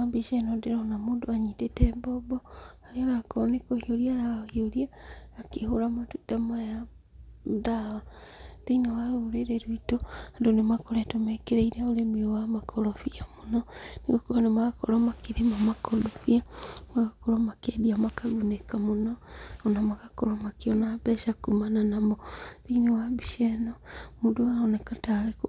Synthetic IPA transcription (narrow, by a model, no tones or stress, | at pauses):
abeʃɛnɔdeɾaɔnamoːndoaɲitetɛbɔbɔaɾeɔɾakɔɾɔnekohioɾiaɾaahioɾiaːkehoɾamatutamaja | ðawadeinawaɾoɾeɾɛɾwitoandonemakɔɾɛtomɛkeɾɛiɾaoɾemiowamakʰɔɾɔfiamonɔneɣɔkuanemaɣakɔɾɔmakeɾemamakɔdofiamaɣakɔɾɔmakɛðiamakaɡunekamonɔɔnamaɣakɔɾɔmakeɔnabɛʃakumananamɔðiinewabiʃɛnɔmudoaɾɔnɛkataɾek